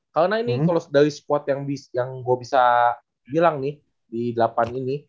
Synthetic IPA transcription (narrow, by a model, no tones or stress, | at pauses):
kaɾnainikalosdaɾisə̥pɔt̪jaŋbisjaŋɡuabisa | bilaŋnɪh | didəlapanini